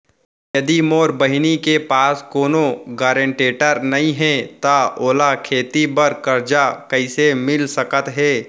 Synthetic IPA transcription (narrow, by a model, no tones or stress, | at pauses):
jɐd̪imoːɾbəɦɪnikepaːskoːnoɡaːɾẽɳʈeːʈəɾnɐɦĩɦɛ̃t̪aoːlakʰeːt̪ibɐɾkɐɾd͡ʒakɐɪsemɪlsɐkət̪ɦɛː